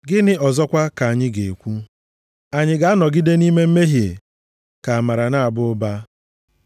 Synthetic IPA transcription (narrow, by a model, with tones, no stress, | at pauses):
ɡɪ˦nɪ˦ɔ˨zɔ˦kʷa˦ka˨a˨ɲɪ˦ɡe˨e˨kʷu˦ | a˨ɲɪ˨ɡa˨˦a˦nɔ˨ɡɪ˦de˦ni˦me˦m̩˦me˦ɦje˨ | ka˨ma˨ɾa˨na˦a˨bʊ˦ʊ˦ba˦